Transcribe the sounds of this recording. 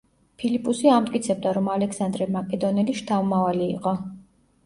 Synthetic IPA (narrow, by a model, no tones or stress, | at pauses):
pʰilipʼusiamt̪ʼkʼit̪sʰɛb̚d̪aɾɔmalɛksand̪ɾɛmakʼɛd̪ɔnɛliʃt̪ʰaumavalḭːqʼɔ